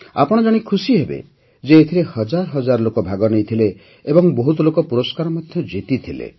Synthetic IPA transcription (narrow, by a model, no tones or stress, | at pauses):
a̰pɔɽ̃ɔd͡ʒaɽ̃ikʰusiɦebḛ | d͡ʒeːt̪ʰiɾehɔd͡ʒaɾɔɦɔd͡ʒaɾɔlokɔbʱaɡɔnejt̪ʰile | ebɔŋboɦut̪ɔlokɔpuɾɔskaɾɔmɔd̪ʱjɔd͡ʒet̪it̪ʰilḛ